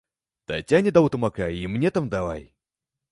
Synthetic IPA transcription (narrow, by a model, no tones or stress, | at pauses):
t̪ɐ̰tʲanʲɪd̪ɐut̪əmakaimnʲet̪amd̪ɐva̰j